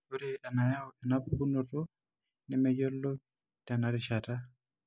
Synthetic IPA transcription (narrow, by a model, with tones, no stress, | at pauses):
o˦ɾi˨ʔa˨na˨ja˦ɔɛ˨na˦pu˦nɔ˨tɔ˦ | nɛ˦mɛ˦ɟɔ˦lːɔ˦ | ta˨na˦ɾɪ˨ʃa˨ta˦